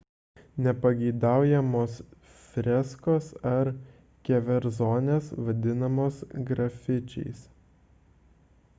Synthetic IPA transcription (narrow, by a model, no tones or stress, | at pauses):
nʲɛpɐɡʲɛɪd̪ɑˑʊjɛmoːs | fʲɾʲɛskoːsɐɾ | kʲɛʋʲɛɾzoːnʲeːsʋɐd̪ʲɪnɐmoːsɡɾɐfʲɪt͡ʃʲɛ̰ɪs